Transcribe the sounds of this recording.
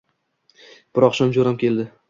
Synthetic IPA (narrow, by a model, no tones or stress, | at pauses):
b̥ɪɾɒqʃɒmd͡ʒoɾamkʲʰe̞ld̪ɪ